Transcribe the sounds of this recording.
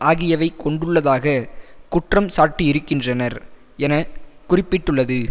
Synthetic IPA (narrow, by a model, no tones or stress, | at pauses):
ʔaːɣɪjɐʋɐɪkɔɳɖɯɭːɐðaːɣɐkʊʈrɐmsaːʈːiɪɾɯkːɪndrɐnɐɾ | ɛnɐkʊrɪpːɪʈːɯɭːɐðɯ